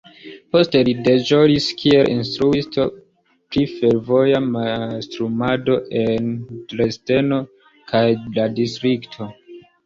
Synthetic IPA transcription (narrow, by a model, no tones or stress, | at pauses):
po̞ste̞lide̞ʒoliskʰielʔḭnstɾuisto̞ | pɾife̞ɾvo̞jamastɾumado̞ʔe̞ntɾe̞ste̞no̞ | kʰajladistɾiktʰo̞